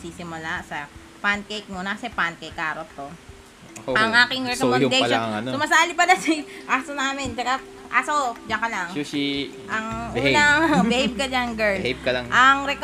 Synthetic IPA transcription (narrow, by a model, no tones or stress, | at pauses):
siːsɪmʊlasɐ | pankejk̚munɐkɐsɛpankejkʔaːɾot̪ːo | ʔɐŋʔaːkɪŋɾɛskmjʊd̪ɛpɐlaɐŋɐ̰nosʊmɐsaːlɪpɐlɐsiʔaːsonaːmɪnt͡ʃɐka | ʔaːsod͡ʒɐkɐlaŋosi | ʔɐŋʔunɐŋbɛhejb̚kɐd͡ʒɐŋɡɛɹeb̚kɐlɐŋʔɐŋɾɛk